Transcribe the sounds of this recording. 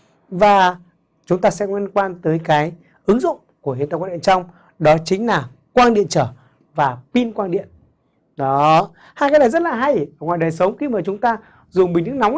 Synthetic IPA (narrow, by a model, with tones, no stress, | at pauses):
vaː˨˩ | t͡ɕʊ˨˦ŋ͡mt̪aː˧sɛ̰˧˥ŋwi˧nkwaː˧nt̪əː˨˦jkaː˨˦j | ʔɨ˨˦ŋzʊ̰˧˨ŋ͡mku˧˩əhḭ˨nt̪aː˧kwa˧ɗḭ˧˨ə˨nt͡ɕɔ˧wŋ͡m | ɗɔ˨˦t͡ɕï˨˦ŋ̟laː˨˩ | kwaː˧nɗḭ˧˨ənt͡ɕəː˧˩ | vaː˨˩pi˧nkwaː˧nɗḭ˧˨ən | ɗɔ˨˦ | haː˧jkaː˨˦jɗaː˨˩zə˦˥t̚laː˨˩ɦa˧˩jʔəː˧˩ŋwaː˨jɗəː˨˩sə˨˦wŋ͡mxi˧maː˨˩t͡ɕʊ˨˦ŋ͡mt̪aː˧ | zʊ˨˩ŋ͡mɓï˨˩ŋ̟t̪ɨ˦˥na˨˦